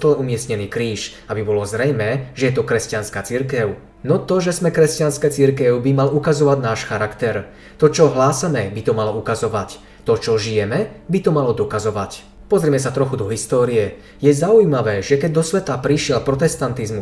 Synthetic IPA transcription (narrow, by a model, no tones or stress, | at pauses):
t̪lɛumɪɛsɲɛniːkɾiːʃ | abibɔlɔzɾɛjmɛːʒɛjɛt̪ɔkɾɛscanskaːt͡siɾkɛʊ | nɔt̪ɔʒɛzmɛkɾɛscanskɛːt͡siɾkɛʊbimalukazɔʋaɟnaːʃxaɾakt̪ɛɾ | t̪ɔt͡ʃɔɦlaːsamɛbit̪ɔmalɔukazɔʋac | t̪ɔt͡ʃɔʒijɛmɛbit̪ɔmalɔd̪ɔkazɔʋac | pɔzɾimɛsat̪ɾɔxud̪ɔɦist̪ɔːɾiɛ | jɛzaujmaʋɛːʒɛkɛɟ̚d̪ɔsʋɛt̪apɾiʃɪɛlpɾɔt̪ɛst̪ant̪izmu